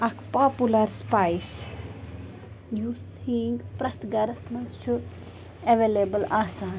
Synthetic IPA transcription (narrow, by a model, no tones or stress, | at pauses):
ɐkʰpapulɐɾspajs | jus | hiːŋɡpɾɐt̪ɡɐɾɐsmɐnst͡ʃʰu | eʋeːlebɐlaːsaːn